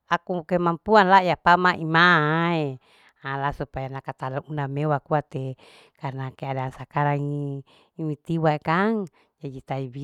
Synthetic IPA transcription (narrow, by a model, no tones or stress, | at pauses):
akukemampuanlajapamaʔimae | alasupajanakat̪alounamewakuat̪e | karnakeadansakaɾaŋi | mit̪iwaekaŋ | d͡ʒad͡ʒit̪aibi